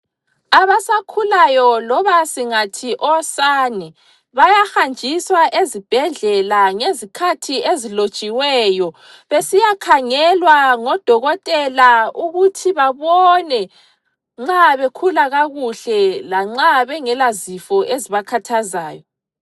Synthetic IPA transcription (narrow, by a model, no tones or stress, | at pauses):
aβasakʰulajɔlɔβasiŋatʰiʔɔsanɛ | βajaxand͡ʒʱiswaʔezib̥ʱɛɮd͡ɮɛlaŋezikʰatʰiezilot͡ʃʼiwɛjɔ | βesijakʰaŋɛlwaŋɔd̥ʱɔɣɔtʼɛlauɣutʰiβaβɔnɛ | ŋ͡ǁaβekʰulaɣaɣuɬɛlaŋ͡ǁaβɛŋɛlazifɔʔeziβakʰatʰaza̰ːjɔ